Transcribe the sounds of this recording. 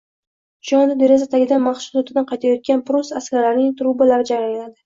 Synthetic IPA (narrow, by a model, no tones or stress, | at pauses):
ʃɒnd̪ɪd̪eɾezat̪ʰaɡʲɪd̪anmaχʃʊ̥zot̪ʰɪd̪anqʰɑjt̪ʰajɒt̪̚kʲanpɾʊsaskʲaɾlaɾnɪŋt̪ʰɾubalaɾɪd͡ʒaɾajnad̪ɪ